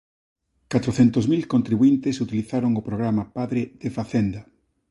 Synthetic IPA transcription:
kat̪ɾoθɛnt̪ozmilkont̪ɾiβuint̪esut̪iliθaɾoŋopɾoɣɾamapaðɾeð̥efaθend̪a

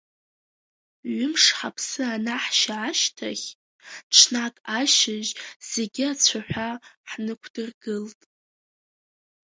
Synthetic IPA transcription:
ɥʊmʂħapʰsɨanaħʃaʕaʃtʰaχʲ | ʈ͡ʂʰnakʼaʃɪʒz̥e̞ɡʲiat͡sʷʰaħᶣʷaħnɨkʷʰd̥ɨrɡɨltʼ

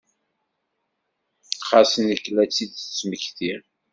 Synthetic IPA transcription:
χasənəkːlæt͡sːid̪t͡sə̥t͡sːməçθiɾ

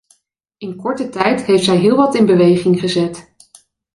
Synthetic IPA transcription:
ɪnkɔɹtətɛjtɦejftsɛjɦɪːlˠʋɑtɪnbəʋejχɪŋχəzɛt

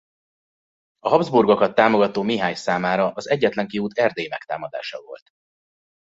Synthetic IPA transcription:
ɒɦɒbzburɡokɒt̪ːaːmo̞ɡɒt̪oːmiɦaːɲsaːmaːɾɒʔɒzɛɟːɛt̪lɛŋkiuːt̪ɛrd̪eːjimɛkt̪a̰ːmɒd̪a̰ːʃɒvo̞̰lt̪

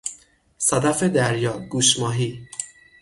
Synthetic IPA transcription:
sæd̪æfed̪æɾjɒːɡuːʃmɒːɦiː

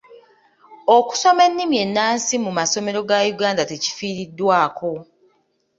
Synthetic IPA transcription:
oku̥so̞me̞nːimje̞nːaːnsimumaso̞me̞ɾo̞ɡajuɡaːndate̞ci̥fiːɾidːwaːkʰo̞

